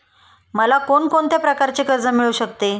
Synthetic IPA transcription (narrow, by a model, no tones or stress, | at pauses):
məlakoɳkoɳt̪japɾəkaɾt͡ɕekəɾd͡zəmiɭuːɕəkt̪e